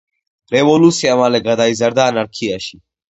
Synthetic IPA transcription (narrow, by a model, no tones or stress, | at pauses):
ɾewoːlusijamaːleɡɐd̪aːizɐɾd̪aːnɐɾkʰiaɕi